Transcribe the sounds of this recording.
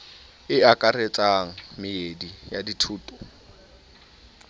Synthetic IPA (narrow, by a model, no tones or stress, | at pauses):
ɪakʼaɾet͡sʼaŋ̩mɪedijaditʰuːtʼɔ̥